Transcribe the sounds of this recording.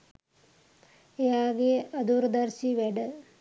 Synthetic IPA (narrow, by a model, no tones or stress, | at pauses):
ejaːɡeɐd̪uːɾd̪ɐɾsiʋeɖɐ